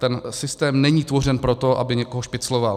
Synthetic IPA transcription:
t̪ɛnsɪst̪ɛːmnɛɲiːt̪vo̞r̝ɛnpɾot̪o̞ʔa̰bɪɲɛkoɦoʃpɪt͡sloval

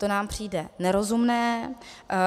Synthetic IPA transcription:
t̪onaːmpr̝̥iːdɛnɛɾo̞zumnɛː

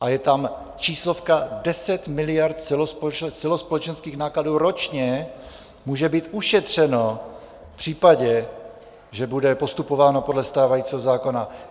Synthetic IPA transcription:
ʔajɛt̪am | t͡ʃiːslo̞fkadɛsɛt̪mɪlɪjaɾt̪̚t͡sɛlospɛt͡sɛlospo̞lɛt͡ʃɛnskiːxnaːkladuːɾo̞t͡ʃɲɛ | muːʒɛbiːt̪ʔuʃɛt̪r̝̥ɛno̞ | pr̝̥iːpaɟɛ | ʒɛbudɛpo̞st̪upo̞vaːno̞po̞dlɛst̪aːvajit͡siɦozaːko̞na

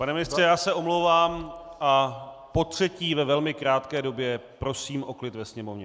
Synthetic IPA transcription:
panɛmɪnɪst̪r̥ɛjaːsɛʔo̞mlowvaːmʔa | po̞t̪r̝̥ɛciːvɛvɛlmɪkɾaːt̪kɛːdo̞bjɛpɾo̞siːmʔo̞klɪt̪vɛsɲɛmovɲɛ

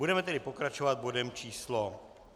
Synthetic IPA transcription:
budɛmɛt̪ɛdɪpo̞kɾat͡ʃovad̪̚bodɛmt͡ʃiːslo

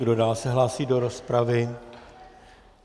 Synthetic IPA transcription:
ɡdo̞daːlsɛɦlaːsiːdo̞ɾo̞spɾavɪ

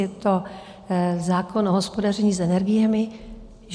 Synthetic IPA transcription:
ɛt̪o | zaːkʰo̞nʔoɦospo̞darɛɲiːsɛnɛɾɡɪjɛmɪ | ʒ

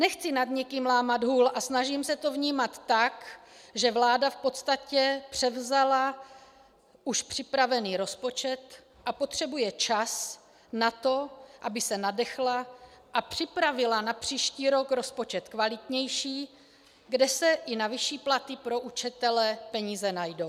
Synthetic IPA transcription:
nɛxt͡sɪnad̪ɲɛkiːmlaːmad̪ɦuːlʔasnaʒimsɛt̪o̞vɲiːmat̪ːakʒɛvlaːdafpo̞t̪st̪acɛpr̥ɛvzala | ʔuʃpr̥ɪpɾavɛniːɾo̞spo̞t͡ʃɛt̪ | ʔapo̞t̪r̝̥ɛbujɛt͡ʃas | nat̪o̞ʔabɪsɛnadɛxla | ʔapr̝̥ɪpɾavɪlanapr̝̥iːʃciːɾo̞kɾo̞spo̞t͡ʃɛt̪kvalɪt̪ɲɛjʃiː | ɡdɛsɛʔɪnavɪʃiːplat̪ɪpɾo̞ʔut͡ʃɛt̪ɛlɛpɛɲiːzɛnajdow

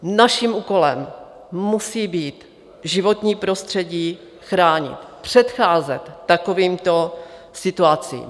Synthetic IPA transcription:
naʃimʔuːko̞lɛm | mːusiːbiːt̪ | ʒɪvo̞t̪ɲiːpɾo̞st̪r̥ɛɟiː | xɾaːɲɪ̰t̪pr̥ɛt̪xaːzɛt̪ːakoviːmt̪o̞ | sɪt̪uat͡sḭːm

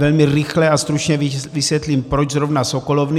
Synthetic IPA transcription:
ɛlmɪɾɪxlɛast̪ɾut͡ʃɲɛvisʋjɛt̪liːmpɾot͡ʃzɾovnasokolovn

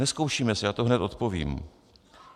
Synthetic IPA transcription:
ɛsko̞wʃiːmɛsɛjaːt̪oɦnɛt̪o̞t̪po̞vḭːm

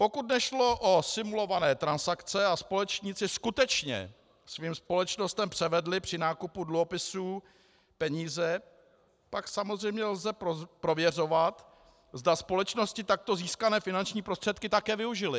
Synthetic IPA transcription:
po̞kut̪nɛʃlo̞ʔosɪmulo̞vanɛːt̪ɾansakt͡sɛaspo̞lɛt͡ʃɲɪt͡sɪskut̪ɛt͡ʃɲɛ̰ | sviːmspo̞lɛt͡ʃno̞st̪ɛmpr̥ɛvɛdlɪpr̥ɪnaːkupudluɦo̞pɪsuː | pɛɲiːzɛ | paksamozr̝ɛjmɲɛlzɛppɾo̞vjɛr̝o̞vat̪ | zdaspo̞lɛt͡ʃno̞scɪt̪ak̚t̪o̞ziːskanɛːfɪnant͡ʃɲiːpɾost̪r̥ɛt̪̚kɪt̪akɛːvɪuʒɪlɪ

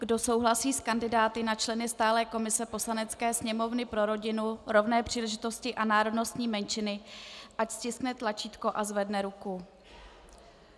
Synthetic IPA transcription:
ɡdo̞so̞wɦlasiːskandɪdaːt̪ɪnat͡ʃlɛnɪst̪aːlɛːko̞mɪsɛpo̞slanɛt͡skɛːsɲɛmo̞vnɪpɾo̞ɾo̞ɟɪnuɾo̞vnɛːpr̥iːlɛʒɪt̪o̞scɪʔanaːɾo̞dno̞st̪ɲiːmɛnt͡ʃɪnɪʔacscɪsknɛt̪lat͡ʃiːt̪ko̞ʔazvɛdnɛɾuku

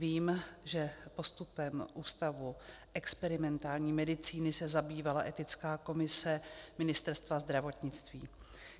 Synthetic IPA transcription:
viːmʒɛpo̞st̪upɛmʔuːst̪avuʔɛkspɛɾɪmɛnt̪aːlɲiːmɛdɪt͡siːnɪsɛzabiːvalaʔɛt̪ɪt͡skaːko̞mɪsɛmɪnɪst̪ɛɾst̪vazd̪ɾavo̞t̪ɲɪt͡st̪viː

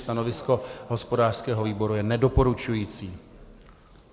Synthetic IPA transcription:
st̪anovɪsko̞ɦo̞spo̞daːr̥skɛːɦoviːbo̞ɾujɛnɛdo̞po̞ɾut͡ʃujiːt͡siː

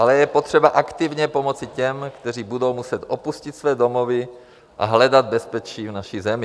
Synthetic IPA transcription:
ʔalɛjɛpot̪r̝̥ɛbaʔakt̪ɪvɲɛpo̞mo̞t͡sɪcɛmkt̪ɛr̝iːbudo̞wmusɛt̪ʔopuscɪt̪svɛːdo̞movɪ | ʔa̰ɦlɛdad̪̚bɛspɛt͡ʃiːvnaʃizɛmɪ

